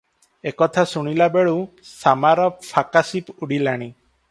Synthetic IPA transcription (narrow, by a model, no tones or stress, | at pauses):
ekɔt̪ʰasuɽ̃ilabeɭu | samaɾɔpʰakasipuɽilaɽ̃i